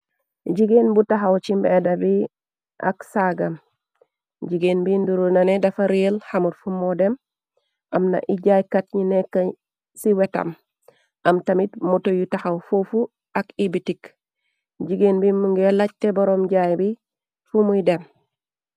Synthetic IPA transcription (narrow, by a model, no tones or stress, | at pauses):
ɟiɡenbutaɦawt͡ʃimbedabi | ʔa̰ksaɡam | ɟiɡenbinduɾonanedafaɾilhamutfumodem | ʔamna̰ʔiɟajkatɲinekːa | siweta̰m | ʔamtamitmutojutaxawfofu | akibitik | ɟiɡenbimuŋɡelac̚teboɾomɟajbi | fumujdem